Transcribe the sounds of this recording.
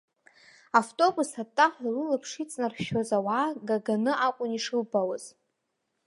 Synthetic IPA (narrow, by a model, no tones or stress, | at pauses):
aftʼo̞busatʼːaχirɨlapʰʂit͡sʼnarʃozawaːɡaɡanɨʔakʷʼʊniʂɨlbawaz̥